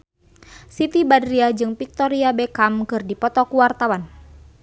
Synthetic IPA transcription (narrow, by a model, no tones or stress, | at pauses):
sit̪ibadɾiad͡ʒɨŋpik̚t̪ɔɾiabɛkamkɨrdipɔt̪ɔkuwart̪awan